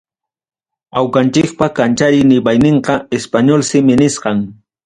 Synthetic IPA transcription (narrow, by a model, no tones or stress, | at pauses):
awkant͡ʃɪk̚pakant͡ʃaɾɪjnɪbajnɪɴqɑespaɲolsɪmɪnɪsqɑŋ